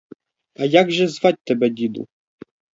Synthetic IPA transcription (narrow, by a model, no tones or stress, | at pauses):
ajaɡʐɛzvat͡ɕʲt̪ɛbɛd̪ʲid̪ṵ